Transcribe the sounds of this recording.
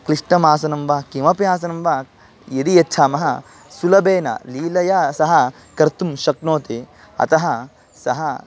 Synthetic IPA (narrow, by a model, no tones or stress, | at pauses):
kliʂʈɐmaːsɐnɐmʋɐkimɐpjaːs̬ɐnɐmʋɐ | jid̪ijetːt͡ʃʰaːmɐɦɐ | sulɐbeːnɐ̰liːlɐjaːsɐɦɐ | kɐɾt̪umʃɐknoːt̪i | ɐ̰t̪ɐɦɐ | sɐɦɐ